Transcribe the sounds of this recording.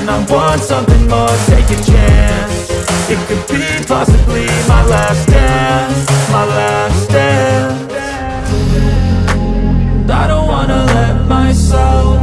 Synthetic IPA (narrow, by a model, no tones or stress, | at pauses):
naɪwɑntsʌ̃mθɪ̃ŋmɔɹtʰeɪkɪ̃ŋt͡ʃʰænnnsɨt̚kʰɨd̚bipʰɑsɨblimaɪlæfstɛ | maɪlæfstɛ | aɪɾõʊ̃nt̚wɑ̃nəlɛt̚maɪso